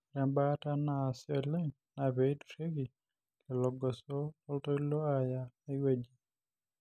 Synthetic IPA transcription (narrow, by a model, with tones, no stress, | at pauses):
ɾɛ˨mba˦ta˦na˨sjɔ˨lɛ˦ | na˨βe˨i˦tɾe˦ki˨ | ke˨lɔ˨ɡɔ˨sɔ˦ɔ˦ltɔ˦lɔ˦a˨ja˦e˦we˦˨d͡ʒi˨˦